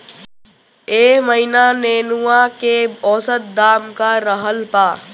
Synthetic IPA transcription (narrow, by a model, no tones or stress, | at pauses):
eːməɦinaneːnuakeɔːsət̪̚d̪aːmkaɾəɦəlpaː